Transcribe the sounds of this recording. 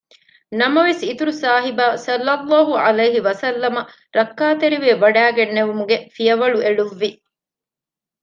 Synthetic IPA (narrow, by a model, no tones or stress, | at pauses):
nɐmɐʋesit̪uɾusaːɦibaːsɐlːɐlːaːɦuɐlɐjɦiʋɐsɐlːɐmɐ | ɾɐkːaːt̪eɾiʋeːʋɐɖæːɡenːeʋumuɡefijɐʋɐɭuʔeɭuʋːi